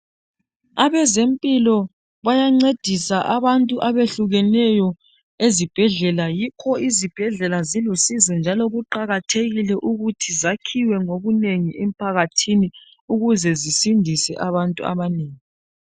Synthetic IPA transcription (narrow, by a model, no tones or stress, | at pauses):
aβɛzempʼilɔ | βajaŋ͡ǀed̥ʱisaʔaβantʼuʔaβeɬuɣɛnɛjɔ | ezib̥ʱɛɮɛlajikʰɔizib̥ʱɛɮɛlazilusizɛnd͡ʒʱalɔɣuǃaɣatʰeɣilɛʔuɣutʰizakʰiwɛŋoβuneŋiʔem̩pʰaɣatʰini | uɣuzɛzisindʱisɛ̰ʔaβantʼṵa̰βaneːŋi